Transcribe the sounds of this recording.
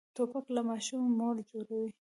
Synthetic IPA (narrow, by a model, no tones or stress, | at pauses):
t̪opaklamɑʃumːold͡ʒoɾawi